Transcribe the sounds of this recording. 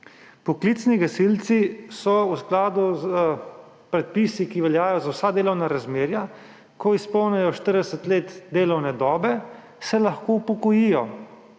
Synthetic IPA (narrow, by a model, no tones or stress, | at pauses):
pɔklit̪sniɡasilt̪sisɔwsklaːd̪uzə | pɾɛt̪̚pisikiʋɛljaːjɔzawsad̪eːlɔwnaɾazmeːɾja | kɔispɔwnajɔʃt̪əɾd̪ɛsət̪leːt̪d̪eːlɔwnɛd̪ɔːbɛ | sɛlaxkopɔkɔjijɔ